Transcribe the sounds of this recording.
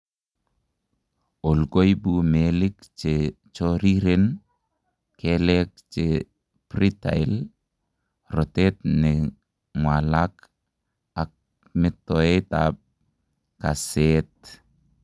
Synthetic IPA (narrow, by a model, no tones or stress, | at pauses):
olɡojbumelikt͡ʃe | t͡ʃoɾiɾen | kelek̚t͡ʃe | prita̰il | rɔtetnɪ | ŋwalak | ak̚ | mɪtːoetap̚ | kaset̚